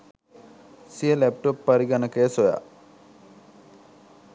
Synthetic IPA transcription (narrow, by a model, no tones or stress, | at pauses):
sijəlɛp̚ʈopːəɾiɡanəkəjəsoja̰